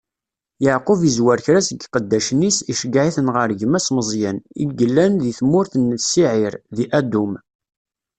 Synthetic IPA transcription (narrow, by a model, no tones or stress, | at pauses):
jəʕqʊvizwæɾçɾæsəɡqəd̪ːæʃnisiʃəɡʕiθənʁəɾʝəmæsməzˤjənḭɡəlːænðiθmʊɾθənːsiʕɪɾðiʔæd̪um